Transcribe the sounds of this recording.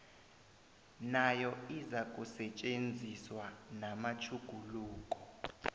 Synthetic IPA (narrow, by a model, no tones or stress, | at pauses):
najɔizakʼusɛt͡ʃʼend͡zʱiswanamat͡ʃʰuɡ̥ʱuluːkʼɔ̥